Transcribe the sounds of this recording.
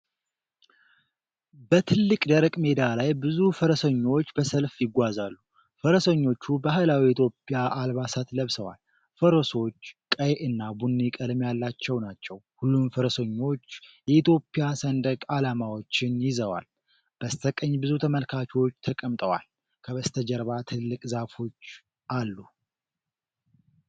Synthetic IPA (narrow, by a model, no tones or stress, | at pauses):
bət̪ʰɨlːɨkʼd̪əɾəkʼme̞d̪alajbɨzufəɾəsəɲːo̞t͡ʃːbəsəlfjɪɡʷazalːu | fəɾəsəɲːo̞t͡ʃːubaɦɨlawiit̪ʰjo̞pʼijaʔalβasat̪ləβsəwa̰l | fəɾoso̞t͡ʃːkʼəjʔɨnːabunːikʼəlɨmjalːat͡ʃːɛwnat͡ʃːɛwhulːumfəɾəsəɲːo̞t͡ʃːjɛit̪ʰjo̞pʼːɪjasənd̪əkʼalamawo̞t͡ʃːɪnjɪzəwa̰l | b̥əst̪ʰəkʼəɲːbɨzut̪ʰəməlkʰat͡ʃʰot͡ʃːt̪ʰəkʼəmt̪ʼəwa̰l | kʰəβəst̪ʰəd͡ʒəɾβat̪ʰɨlːɨkʼzafo̞t͡ʃː | ʔalːu